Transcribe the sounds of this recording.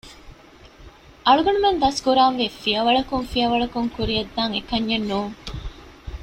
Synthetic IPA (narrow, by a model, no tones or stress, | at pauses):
ʔɐɭuɡɐɳumend̪ɐskuɾaːnʋeːfiɐʋɐɭɐkuŋfiɐʋɐɭɐkuŋkuɾiɐd̪ːaːŋekɐɲːenːuːŋ